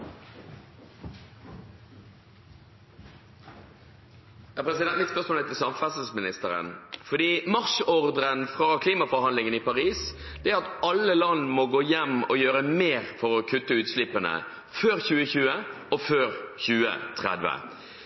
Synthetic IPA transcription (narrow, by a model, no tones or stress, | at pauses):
æpʰɾɛs̬ɪd̪ɛmɪt̪spœʂmoːlɛt̪ʰɪlsɑmfɑsəsmɪnɪst̪əɾə̰nfɔd̪iːmɑʁʂɔʁd̪ʁənfʁɑkʰliːmɑfɔɾhɑnd̪lɪŋənipɑʁiːs | d̪̥ɛæɾɑt̪ɑlːəlɑnːmɔɡoːjɛmɔjøːɾəmeːʁfɔʁɔkʰʉt̪ːəʉːt̪slɪpːənə̰ | føːʁçʉːəçʉːəʔɔføːʁçʉːə̰t̪ʰʁɛ̰d̪ʋə̰